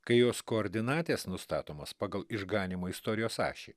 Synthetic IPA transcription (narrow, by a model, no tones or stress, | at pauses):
kɐɪjoːskoːɾʲd̪ʲɪnɑːt̪ʲeːsnʊst̪ɑːt̪oːmɐspɑːɡɐlˠɪʒɡɑːnʲɪmoːɪst̪oːɾʲɪjoːsɑ̰ːʃʲe